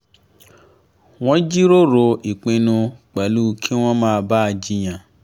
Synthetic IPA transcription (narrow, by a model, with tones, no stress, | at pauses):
w̃ɔ̃˦d͡ʒi˦ɾo˦ɾo˧i˨k͡pĩ˧nũ˧k͡pɛ˨˦lu˦kʰi˦w̃ɔ̃˦mãː˦˧ba˦˧d͡ʒi˧j̃ã˨